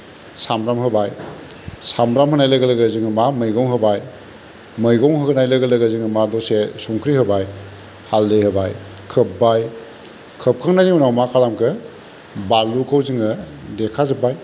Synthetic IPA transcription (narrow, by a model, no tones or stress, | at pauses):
samɾamhɯbaj | samɾamɦɯnajlaɡɐləɡəziŋɯmamɯjɡɔŋɦɯbaj | mɯjɡɔŋɦɯɡɯnajlɐɡɐləɡəziŋɯmadɔsesuŋkʰɾihɯbaj | haldɯjhɯbaj | kʰɯp̚baj | kʰəp̚kʰaŋnaniunawmakʰalamkʰɯ | balukʰawziŋɯ | dekʰazɯbaj